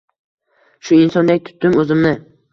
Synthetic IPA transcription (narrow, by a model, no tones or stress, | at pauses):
ʃʊɪnsɒnd̪ak̚ʲt̪ʰʊ̥t̪ːɪmɵzɪmnɪ